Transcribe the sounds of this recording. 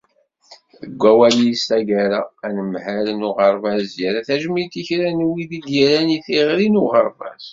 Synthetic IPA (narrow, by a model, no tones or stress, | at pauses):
θəɡʷːæwælisæɡæɾaænəmhælnuʁəɾˤvæzjæɾæθæʒmit̪ːiçɾænwiðid̪jæɾæniθiʁɾinuʁəɾˤvæ̰z